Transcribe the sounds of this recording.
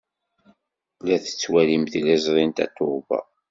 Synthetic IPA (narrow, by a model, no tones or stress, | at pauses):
læθə̥t͡sːwælimθlæzɾˤint̪æ̰t̪ːovɑ̰